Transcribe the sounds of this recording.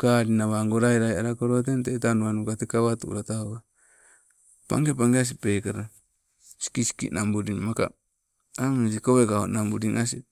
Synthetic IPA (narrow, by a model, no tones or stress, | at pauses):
kaɾinaβaŋɡoɾajɾaaɾakoɾot̬entetanuanukat̪ekaβatṵʔɾat̪aoka | pa̰ŋɡepaŋɡeas̬ipekaɾa | si̥kisi̥kḭnambuɾiŋmaka̰ | amis̬ikoβekaonambuɾiŋas̬i